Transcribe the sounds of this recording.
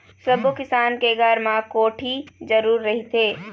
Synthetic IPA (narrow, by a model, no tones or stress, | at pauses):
səbokɪsaːnkeɡəɾmãkoːʈʰid͡ʒəɾuːɾːɐɦit̪ʰeː